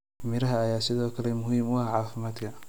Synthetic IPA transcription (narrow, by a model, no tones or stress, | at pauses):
mɪɾɐɦɐːjaːsɪðɔːkʰɐlɛmʊhiːmwɑhɑʕɑːfɪmaːd̪kʰɐ